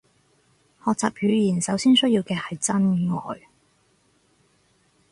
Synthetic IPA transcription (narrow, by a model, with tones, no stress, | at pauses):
hɔː˨k̚t͡saː˨p̚jyː˨˧˥jiː˨˩nsɐ˨˥wsiː˥nsɵ˥ɥjiː˧wkɛː˧hɐ˨jt͡sɐ˥nŋɔː˨j